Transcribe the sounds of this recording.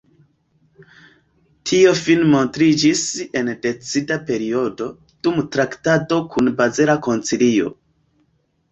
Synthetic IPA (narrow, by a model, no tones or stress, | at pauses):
tʰio̞finmo̞ntɾid͡ʒise̞nde̞t͡sidape̞ɾio̞do̞ | d̥umtɾaktato̞kʰunbazeɾako̞nt͡silio̞̰